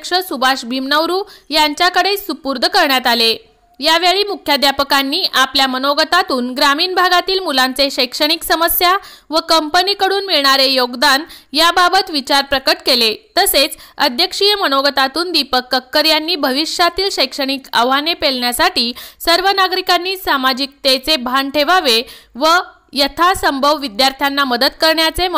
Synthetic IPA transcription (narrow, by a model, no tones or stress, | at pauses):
kʂəsubʱaʂbʱimnəʋɾuːjaɲt͡ɕjakəɽesupuɾd̪ʱəkəɾɳjat̪ale | jaʋeɭiːmukʰjad̪japəkanːiːʔapljamənoɡət̪at̪uːnɡɾamiːnbʱaɡat̪iːlmulant͡seɕəjkʂəɽ̃iksəməsja | ʋəkəmpəniːkəɽuːnmiɭɳaɾejoɡd̪anjababət̪ʋit͡ɕaɾpɾəkəʈkelet̪əset͡səd̪ʱjəkʂijəmənoɡət̪at̪uːnd̪ipəkːəkːəɾjanːiːbʱəʋiʂjat̪iːlɕəjkʂəɽ̃ikə̰ʋanepeɭɳjasaʈiːsəɾʋənaɡɾikanːiːsamad͡ʑik̚t̪et͡sebʱanʈʰeʋaʋeʋə | jət̪ʰasəmbʱəʋʋid̪jaɾt̪ʰjanːaməd̪ət̪kəɾɳjat͡se